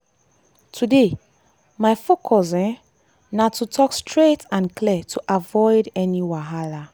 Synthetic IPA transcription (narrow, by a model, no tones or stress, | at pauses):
tʰude | maɪfokʰɔsɛ̃ | natʰutʰɔkstʰɹetãnkʰlɛtʰuʔavɔɪdɛniwaɦala